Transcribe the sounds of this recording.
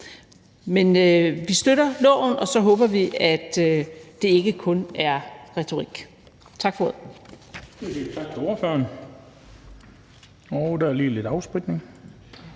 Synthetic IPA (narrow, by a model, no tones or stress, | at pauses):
menøʋisd̥øɾɐlɔ̰ːʊ̰n̩ɒ̽sɒ̽ɦɔ̽ːb̥ɐʋiæd̥ø̥ːe̝e̝ɡ̥əkʰɔ̽næɐʁɛt͡sʰo̝ʁiɡ̥ | t͡sʰɑ̈ɡ̥fɒoðˠ | edet͡sʰɑ̈ɡ̥̚t͡sʰeo̝ɐføɐn | ɒʊd̥æɐliːle̝d̥ɑ̈ʊsb̥ʁid̥̚ne̝ŋ